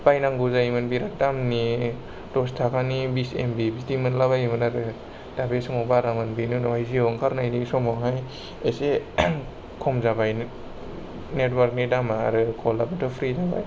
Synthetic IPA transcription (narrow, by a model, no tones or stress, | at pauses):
bajnaŋɡuzajimɯnbiɾak̚damni | dɔstʰakanibisḛmbibitimɯnlaβajmɯnaɾɯ | d̥abesɯŋɔbaɾamɯnbinɯnɔɦajziɔŋkʰaɾnajnisɔmɔŋɦaj | ese | kʰɔmzabajn | netwaɾk̚nidama̰ːɾɯkʰɔlabɯtɯpʰɾizaba̰j